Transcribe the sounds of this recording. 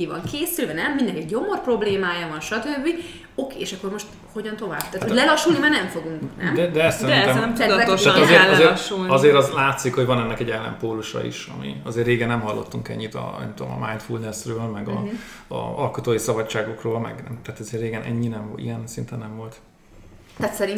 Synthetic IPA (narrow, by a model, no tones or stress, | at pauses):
kivɒ̰ŋkeːsylvɛnɛmmind̪ɛnkɛɟːo̞mo̞rpro̞bleːmaːjɒvɒnʃɒt̪øbːi | o̞keːeːʃɒkːo̞rmo̞ʃt̪ | ho̞ɟɒnt̪o̞vaːbt̪aːt̪olɛlɒʃulnimaːrnɛɱfo̞ɡuŋknnɛ̰md̪ɛd̪ɛɛst̪ːsɛdint̪ɛmɛmt̪ːɛt̪t̪aɒzeːɾɒzeːɾʃulɒzeːɾɒzlaːt̪sikhoɟvɒnɛnːɛkɛɟɛlːɛ̰mpoːluʃɒ̰ḭʃɒ̰mḭɒzeːrːeːɡɛnːɛmɦɒlːo̞̰t̪ːuŋkɛ̰ɲːit̪ɒ̰nɛ̰mt̪ud̪omɒ̰majnt̪fulnɛsrøːlmɛɡɒ̰ | ɒ̰ɒlkot̪oːjisɒbɒt͡ʃːaːɡo̞kroːlmɛ̰ɡnɛ̰mt̪aːt̪ɒzeːrːeːɡɛnʔɛ̰ɲːinɛmḭjɛnsint̪ɛnːɛɱvo̞lt̪ | aːt̪sɛɾin